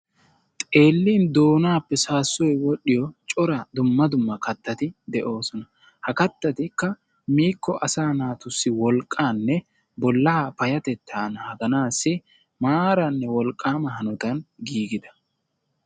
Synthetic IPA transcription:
t̪ʼe̞ːlːiːnd̪o̞ːnaːpːɛsaːsːɔjwɔɗːɪjɔt͡ʃʼɔɾɐd̪ʊmːɐd̪ʊmːɐkɐt̪ːɐt̪ɪd̪ɛʔo̞ːsɔnɐ | hɐkɐt̪ːɐt̪ɪkːɐ | miːkːɔʔɐsaːnaːt̪ʊsːɪwɔlkʼːaːnːɛ | bɔlːɐhapɐjɐt̪ɛt̪ʰːaːnɐhɐɡɐnaːsːɪ | maːɾɐnːɛwɔlkʼːaːmɐɦɐnɔt̪ɐnɡiːɡɪd̪ɐ

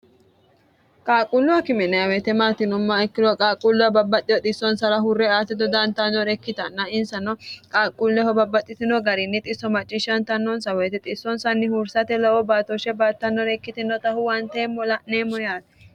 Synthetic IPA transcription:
kʼaːkʼʊlːʊwɐkɪmɛnɐjɐwɛt̪ɛmaːt̪ɪnʊmːɐɛkːɪlɔkʼaːkʼːʊlːʊɐbɐbːɐt̪ʼːɪjɔt̪ʼɪsːɔnsɐɾɐɦʊrːɛaːt̪ɛd̪ɔd̪ɐnt̪ɐnːɔɾɛkːɪt̪ɐnːɐɪnsɐnːɔkʼaːkʼːulːɛhɔbɐbːɐt̪ʼːɪt̪ɪnɔɡɐɾɪnːɪt̪ʼɪsːɔmɐt͡ʃʼːɪʃɐnt̪ɐnːɔnsɐwɛjt̪ɛt̪ʼɪsːɔnsɐnːɪhuɾsɐt̪ɛlɐwɔbaːt̪ɔʃɛbaːt̪ːɐnːɔɾɛkːɪt̪ɪnːɔt̪ɐhʊwɐnt̪eːmːɔlɐneːmːɔjaːt̪ɛ̥

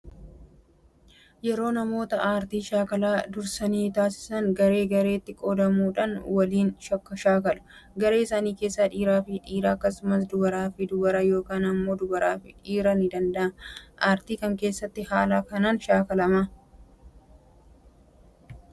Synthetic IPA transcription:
jɛɾo̞ːnɐmo̞ːt̪ɐʔaːɾt̪iːʃaːkɐlaːd̪ʊɾsɐniːt̪aːsɪ̥sɐŋɡɐɾe̞ːɡɐɾe̞ːt̪ːɪkʼod̪ɐmuːᶑɐnwɐliːnʃɐkːɐʃaːkɐlʊ̥ɡɐɾe̞ːɪsaːniːke̞ːsːɐᶑiːɾaːfɪᶑiːɾaːɐkːɐsʊmɐs̬d̪ʊɡɐɾaːfɪd̪ʊbɐɾajo̞ːkaːnɐmːoːd̪ʊbɐɾaːfɪᶑiːɾɐnɪd̪ɐnd̪ɐʔɐnʔaːɾt̪iːkɐŋke̞ːsːɐt̪ːɪhaːlaːkɐnaːnʃaːkɐlɐmɐ

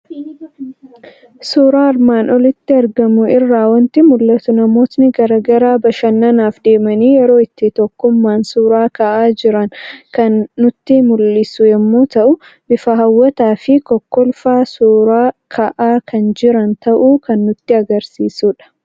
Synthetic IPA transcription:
suːɾaːɐɾmaːnɔlɪt̪ːɪɐɾɡɐmʊɪrːaːwɐnt̪ɪmʊlːɐt̪ʊnɐmoːt̪nɪɡɐɾɐɡɐɾaːbɐʃɐnːɐnaːfd̪e̞ːmɐniːjɛɾo̞ːɪt̪ːɪt̪ɔkːʊmːaːnsuːɾaːkɐʔaːd͡ʒɪɾɐŋkɐnːʊt̪ːɪmʊlːɪsʊjɛmːuːt̪ɐʔʊ | bɪfɐɦɐwːɐt̪aːfɪkɔkːɔlfaːsuːɾaːkʰɐʔaːkʰɐnd͡ʒɪɾɐnt̪ɐʔuːkɐnːʊt̪ːɪɐɡɐɾsiːsuːᶑɐ̥

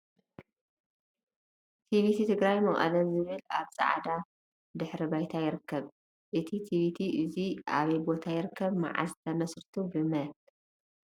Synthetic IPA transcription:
t̪ʰiβit̪ʰit̪ʰɨɡɾajmɐχʼɐ̰lɐnzɨβɨlaβsʼa̰ʕd̪a | d̪ɨħɾibajt̪ʰajɪɾɨkːɐβ | ʔɨt̪ʰit̪ʰiβit̪ʰiʔɨziʔa̰βɐjbo̞t̪ʰajɪɾɨkʰːɐβma̰ʕa̰st̪ʰɐmɐsɾɨt̪ʰubɨmɐl

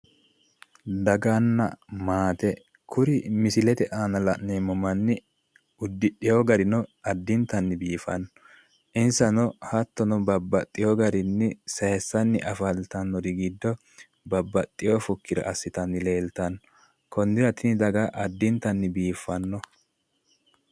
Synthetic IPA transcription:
d̪ɐɡɐnːɐ̰maːt̪ɛ | kʰʊɾɪmɪsɪlɛt̪ɛʔaːnɐlɐʔneːmɔmɐnːɪ | ʊd̪ːɪɗɪjoɡɐɾɪnɔɐd̪ːɪnt̪ɐnːɪbiːfɐ̰nːɔɔ | ʔɪnsɐnɔhɐt̪ːɔnɔbɐbːɐt̪ʼːɪjoɡɐɾɪnːɪsɐːsːɐnːɪʔɐfɐlt̪ɐnːɔd̪ɪɡid̪ːɔ | bɐbːɐt̪ʼːɪjofɔkːɪd̪ɐ̰ɐsːɪt̪ɐnːɪle̞ːlt̪ɐnːɔ | kʰɔnd̪ɪɾɐt̪ɪnɪd̪ɐɡaʔɐd̪ːɪnt̪ːɐnːɪbiːfːɐnːɔ

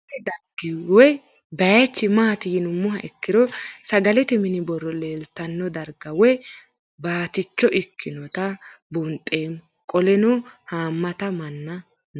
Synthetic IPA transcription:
ɛd̪ɐɾɡ̥ɪwɔj | bɐjɐt͡ʃːɪmaːt̪ɪjɪnʊmːʊɦɐʔɛkːɪɾɔsɐɡɐlɛt̪ɛmɪnɪbɔrːɔleːlt̪ɐnːɔd̪ɐɾɡɐwɔj | baːt̪ɪt͡ʃːɔʔɪkːɪnɔt̪ɐbʊnt̪ʼːeːm | kʼɔlɛnɔhaːmːɐt̪ɐmɐnːɐ | n

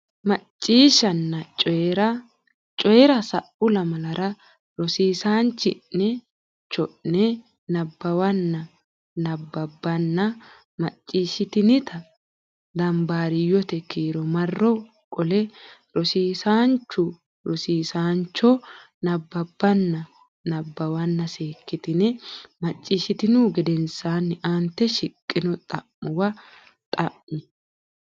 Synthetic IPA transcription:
mɐt͡ʃʼːiːʃɐnːɐt͡ʃʼɔɾɐ | t͡ʃʼɔjɛɾɐsɐʔʊlɐmɐlɐɾɐ | ɾɔsiːsaːnt͡ʃːɪʔːɛ | t͡ʃːɔʔnɛ | nɐbːɐwɐnːɐ | nɐbːɐbːɐnːɐ | mɐt͡ʃʼːiːʃɪt̪ɪnɪt̪ʰɐ | d̪ɐmbaːɾɪjɔt̪ɛkiːɾɔmɐrːɔ | kʼɔlɛɾɔsiːsaːnt͡ʃːʊ | ɾɔsiːsaːnt͡ʃːɔ | nɐbːɐbːɐnːɐ | nɐbːɐwɐnːɐseːkːɪt̪ɪnɪmɐt͡ʃʼːiːʃɪt̪ɪnuɡɛd̪ɛnsaːnːɪʔant̪ːɛʃɪkʼːɪnɔt̪ʼɐ̰ʔːʊwɐ | t̪ʼɐʔːʊ

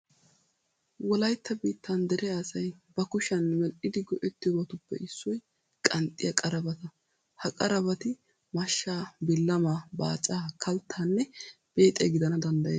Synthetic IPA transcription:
wɔlɐjt̪ːɐbiːt̪ːɐnd̪ɛɾʔɛɐsɐjbɐkʊʃɐnːmɛlʔɪd̪ɪɡɔʔɛt̪ːɪjɔbɐt̪ʊpːɛ̰ʔɪsːɔj | kʼɐnt̪ʼːɪjɐkʼɐɾɐbɐt̪ɐ | hɐkʼɐɾɐbɐt̪ɪ | mɐʃːaːbɪlːɐmaːba̰ːt͡ʃʼaːkʰɐlt̪ʰːaːnːɛ | b̥e̞ːt̪ʼːḛɡɪd̪ɐnɐd̪ɐnd̪ɐjeː

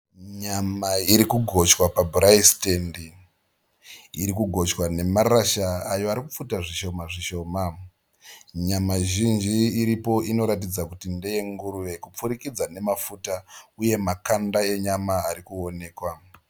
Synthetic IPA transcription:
ɲamaiɾikuɡʱo̞t͡ʃwapabʱuraistendi | ɾikuɡʱo̞t͡ʃwane̞maraʃaːjo̞aɾikufutaʐiʃo̞maʐiʃo̞ːma | ɲamaʒind͡ʒiːɾipo̞ino̞ɾatid͡zakutindeje̞ŋɡuɾure̞kup͡fuɾikid͡zane̞mafutauje̞makandae̞ɲamaːɾikuo̞ne̞ːkwa

